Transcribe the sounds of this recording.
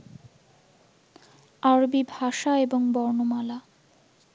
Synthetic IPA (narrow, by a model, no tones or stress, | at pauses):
aɾbibʱaʃaeboŋbɔɾnomala